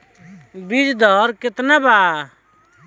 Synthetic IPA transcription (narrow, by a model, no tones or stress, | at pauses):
bid͡ʒd̪ʱɔɾkɪt̪naba